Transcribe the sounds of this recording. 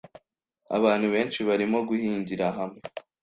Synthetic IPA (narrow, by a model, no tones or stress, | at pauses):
a̰βaːn̥huβe̞ːnt͡ʃiβaɾimo̞ɡuhiːɲɟiɾaɦamŋe